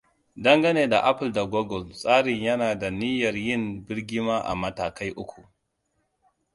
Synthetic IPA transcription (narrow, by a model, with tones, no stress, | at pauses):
dɐ˦ŋɡɐ˦neː˨da˨ʔa˦pɪ˨lda˨ɡɔ˦ɡɔ˨lsʼaː˦ɽɪ˨ɲjɐ˦naː˨da˨nɪ˦jɐ˨rjɪ˦˨mbɪ˦ɽɡʲɪ˦maː˦ʔa̰˨mɐ˨taː˨ka˦jʔʊ˦kʷu˨ʔ